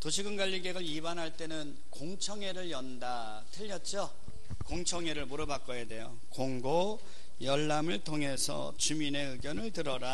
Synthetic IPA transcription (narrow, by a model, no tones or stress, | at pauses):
toɕʰiɡɯnɡwaʎːiɡeɡɯɾibanɦaɭt͈e̞nɯn | koŋt͡ɕʰʌŋe̞ɾɯɭjʌnda | tʰɯʎːʌt̚t͡ɕ͈o | koŋt͡ɕʰʌŋeɾɯɭmoɾɯbak͈ʌjede̞jo | koŋɡo | jʌɭːamɯɭtʰoŋɦe̞sʰʌ̰t͡ɕumine̞ɯɡjʌnɯɭtɯɾʌɾa